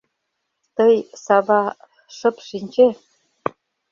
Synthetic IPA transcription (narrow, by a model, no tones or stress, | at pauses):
t̪ɤjsɑbɑ | ʂɤ̆pʂinʲd͡ʑe